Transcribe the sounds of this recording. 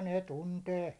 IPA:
ne tunteː

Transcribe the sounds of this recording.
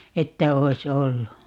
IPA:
etːæ oi̯s olːu

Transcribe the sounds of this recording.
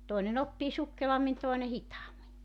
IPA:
toinen opːiː sukːelɑmːin toˑene hitɑːmːi

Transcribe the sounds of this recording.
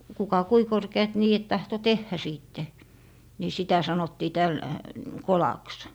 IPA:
kukɑ kui korkeɑt niːet tɑhto tehːæ siːtːe ni sitæ sɑnotːiː tæl kolɑks

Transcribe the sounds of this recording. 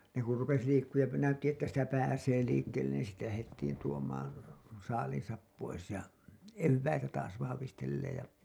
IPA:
ne kur rupes liːkːuːj jɑ næytːi etːæ sitæ pæːseː liːkːeːlːen niːn sitːe læhetːiːn tuomˑɑːn̞ sɑːliːĩsɑp pois jɑ eʋːæitæ tɑːs ʋɑhɑʋistelːeːj jɑ

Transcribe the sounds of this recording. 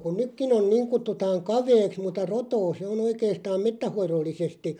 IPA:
ku nykːin on̞ niːŋ kutːutɑːŋ kɑʋeːks mutːɑ rotoː se on oikeːstɑːm metːæhˑoirolːisesti

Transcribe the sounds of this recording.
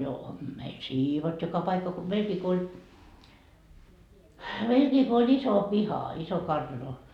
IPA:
jo meil siːʋotːi jokɑ pɑikːɑ ko meilkiː ko olʲ iso pihɑ iso kɑrtɑno

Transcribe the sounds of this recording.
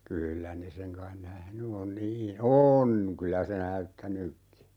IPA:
kyːlːæ ne seŋ kɑin næhny on niː on kylæ se næytːænykːi

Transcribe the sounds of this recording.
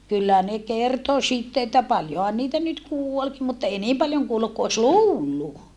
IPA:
kylːæ ne kerto sitːe etːæ pɑljohɑn niːtæ nyt kuolki mutːɑ eˑi niːm pɑljoŋ kuolːuk ku os luːlːu

